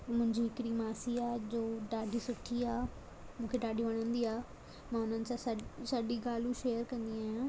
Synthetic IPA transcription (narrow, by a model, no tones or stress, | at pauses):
mʊ̃ɦɪ̃ɲd͡ʑiɦɪkɪɽimaːsiaːd͡ʑoːɖaːɖʱisʊʈʰiaː | mũːkʰeɖaːɖʱiʋɐɽ̃ə̃nd̪iaː | mãʊnənɪ̆sãːsɐsɐɗiɡaːlũʃeːjəɾkɐ̃nd̪iaːɦːjãː